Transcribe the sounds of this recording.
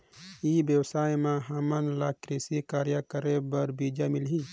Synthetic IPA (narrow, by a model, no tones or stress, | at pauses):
ibjəwsaːjmãɦamənlaːkɾisikaːɾjakəɾebəɾbiːd͡ʒamɪlɦi